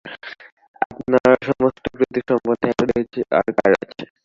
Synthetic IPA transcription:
apnaɾʃɔmostopɾit̪iʃɔmpɔd̪ʱaɾet͡ɕʰeʔa̰ɾkaɾa̰t͡ɕʰe

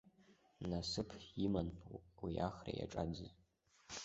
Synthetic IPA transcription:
nasɨpʰjimanpʰuwiaχra̰ja̰ʈ͡ʂʼad͡zɨz

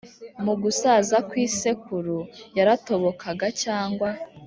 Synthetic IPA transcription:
muɡusazakwiːse̞kuɾujaɾato̞βo̞kʰaɡacaːŋɡwa

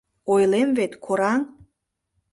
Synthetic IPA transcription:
ojlemvet̪kʰoɾɑŋ

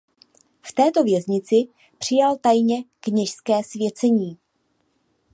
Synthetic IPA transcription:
ft̪ɛːt̪o̞vjɛzɲɪt͡sɪ | pr̝̥ɪjalt̪ajɲɛkɲɛʃskɛːsvjɛt͡sɛɲiː

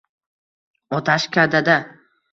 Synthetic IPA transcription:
ɒt̪ʰaʃkʲʰad̪ad̪a

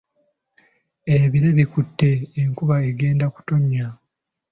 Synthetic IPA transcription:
eβiɾeβikutːe̞ːŋkuβaeɡe̞ːndaku̥to̞ɲːa

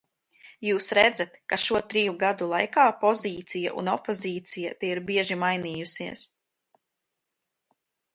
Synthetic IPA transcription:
juːsɾɛd̪zat̪kaʃuɔt̪ɾijuɡad̪ulˠajkaːpɔziːt̪sijaʔṵnɔpɔziːt̪sijat̪ɛiɾbiɛʒimajniːjusiɛs

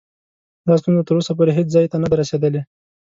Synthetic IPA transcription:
d̪ɑst̪unzat̪əɾosap̬oɾeɦet͡szɑjt̪anad̪aɾased̪əle

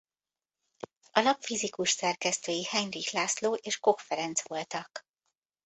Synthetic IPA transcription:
ɒlɒpfizikuʃsɛrkɛst̪øːjihɛɲrixlaːsloːʔeːʃko̞kfɛɾɛnt̪sʋo̞lt̪ɒk

